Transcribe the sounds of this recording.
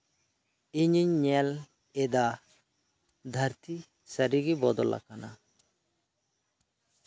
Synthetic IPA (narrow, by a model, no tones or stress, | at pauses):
iɲiɲːɛl | ed̪a | d̪ʱɐɾt̪i | səɾiɡibɔd̪ɔla̰kana̰